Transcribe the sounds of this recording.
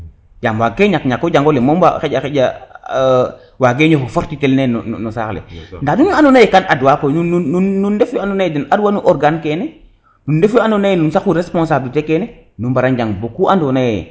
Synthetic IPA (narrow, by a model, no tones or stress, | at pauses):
d͡ʒamwaɡeɲakɲakːod͡ʒaŋɡolemomba̰xeɟaxeɟa̰ | waɡeɲofufoɾtitelneno̰n̰nosa̰ːklḛndadunandonajekanʔadwakonuunuːundefjoandonajedinaduwanuʔɔɾɡankene | nundefjoandonajenunsakuɾespõns̬abilitekenenumbaɾand͡ʒaŋbokuʔandonajḛ